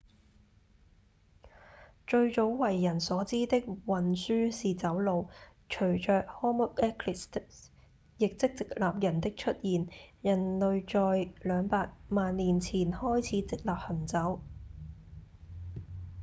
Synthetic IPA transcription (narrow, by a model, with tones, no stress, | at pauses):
t͡ʃɵ˧ɥt͡so˨˥wwɐ˨˩jːɐ˨˩nsɔː˨˥t͡siː˥t̪ɪ˥k̚wɐ˨nsyː˥siː˨˩t͡sɐ˨˥wlo˨˧w | t͡ʃʰɵ˨˩ɥt͡ʃœː˨k̚hɔː˥mʊ˥k̚ɛ˥kʰlɪ˨˩st̪ | jɪ˨k̚t͡sɪ˥k̚t͡sɪ˨k̚laː˨p̚jɐ˨˩nt̪ɪ˥k̚t͡ʃʰɵ˥t̚jiː˨njɐ˨˩nlɵ˨˧ɥt͡ʃɔː˧jlœː˨˧ŋpaː˧k̚maː˨˧nːiː˨˩nt͡sʰiː˨˩nhɔː˥jt͡sʰiː˨˥t͡sɪ˨k̚laː˨p̚hɐ˨˩nt͡sɐ˨˥w